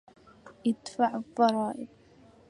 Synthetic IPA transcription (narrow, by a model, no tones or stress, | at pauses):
ʔɪd̪faʕθˤɑɾˤɑːʔɪb